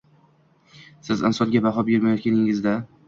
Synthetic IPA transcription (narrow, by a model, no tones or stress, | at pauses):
sɪzɪ̰nsɒŋɡʲabaɦɒbeɾmajɒt̪̚kʲanɪŋɪzd̪a